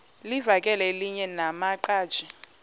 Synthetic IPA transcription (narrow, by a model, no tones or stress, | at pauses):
livakʼɛlɛeliɲɛnamaǃaːd̥ʒ̥ʱi